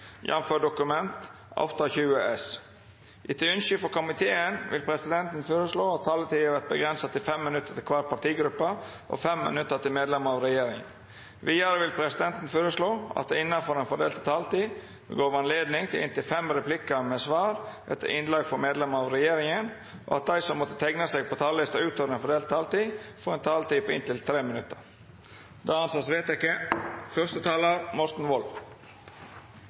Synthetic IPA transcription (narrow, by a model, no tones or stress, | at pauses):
jʔɑ̰nføːɖʊkʉmɛnt̪ | ɑ̰ft̪ɑçʉːəʔɛs | ʔɪt̪ʰəʉnʃʏfɔɾkʊmɪt̪ʰeːənʋʔɪ̰lpʰɾɛsɪd̪ɛnt̪n̩føːɾəsloːɑt̪ʰːɑlːət̪ʰiːəʋæɾt̪̚bəɡɾɛnsət̪ɪlfɛmːɪnʉt̪ːəɾt̪ɪlkʰʋɑːʈ̪̚pʰɑʈiːɡɾʉpːə | ʔɔ̰fɛmːɪ̰nʉt̪ːət̪ɪlmeːd̪lɛməɾɑʋɾɛjeːɾɪŋ | ʋiːɑɾəʋɪlpʰɾɛsɪd̪ɛnt̪n̩føːɾəsloːɑ̰t̪̚d̪ɛɪnːɑfɔɾɛːnfɔɖḛːlt̪ʰɪt̪ʰɑːlt̪iː | bə̰ɡoːʋɑnleːd̪nɪŋt̪ʰɪlɪ̰nt̪ɪlfɛmɾɛplɪkəmeːsʋɑːɾʔɛ̰t̪ʰːə̰ɾʔɪnlɑːɡfɔɾmeːd̪lɛmɑʋɾɛjeːɾɪŋən | ʔo̰ːɑt̪̚d̪æɪsɔmːɔt̪ːə̥t̪ʰɛɡnəseːɡ̚pʰoːt̪ʰɑːllɪst̪əʉːt̪oːɾɛnfɔɖ̪eːlt̪t̪ːʰɑːlt̪iːfɔɾɛnt̪ʰɑːlt̪iːpʰoɪnt̪ɪlt̪ʰɾeːmɪnʉt̪ːəɾ | d̪̥ɑːɑnsɑːsʋeːt̪jæɪkəfœʁst̪ət̪ʰɑːləɾmɔɾt̪n̩ʋɔlf